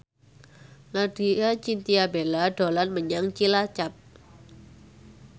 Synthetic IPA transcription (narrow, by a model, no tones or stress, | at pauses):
laɖ̥i̤at͡ʃint̪iabelaɖ̥o̤lanməɲaŋt͡ʃilat͡ʃap̚